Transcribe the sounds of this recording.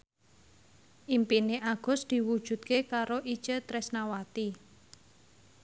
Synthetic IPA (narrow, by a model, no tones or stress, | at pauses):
ʔimpineʔaɡ̥ʊ̤sd̪̥i̤wud̥ʒ̥ṳt̪̚kekaɾoʔi̥t͡ʃət̪ɾɛsnawat̪i